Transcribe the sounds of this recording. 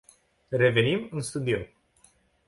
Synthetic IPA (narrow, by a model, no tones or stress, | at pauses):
re̞ve̞nimɨnst̪ud̪io